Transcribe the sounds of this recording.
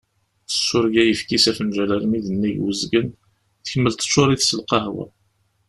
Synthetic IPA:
θə̥sːʊɾɡæjəfkisæfənʒælæɾmiðənːiʝwəzɡən | θə̥çəmːəlt̪ə̥t͡ʃːʊɾˤiθsəlqɑhwæ̰

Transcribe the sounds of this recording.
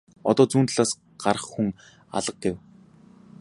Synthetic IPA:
ɔ̰t̪ɔːt͡suːnt̪̆ɮaːs | ɢ̥arə̆χxuŋ | a̰ɮə̆q̚ɡew

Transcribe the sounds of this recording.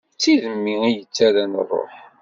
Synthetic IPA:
t͡sːiðəmːiijət͡sːaɾæn̰rˤːo̰ħ

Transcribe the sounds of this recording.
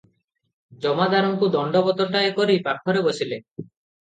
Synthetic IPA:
d͡ʒɔmad̪aɾɔŋkud̪ɔɳɖɔbɔt̪ɔʈaekɔɾipaɾkʰɔɾebosile

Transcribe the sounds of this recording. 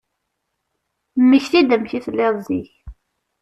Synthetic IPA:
mːəçθid̪əmçiθəlːɪðˤziç

